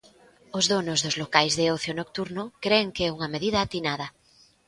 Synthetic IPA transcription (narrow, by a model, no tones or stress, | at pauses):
ozðonozðozlokajzðeoθjonok̚t̪uɾnokɾeːŋkeɛuŋameðiðɐːt̪inað̞ɐ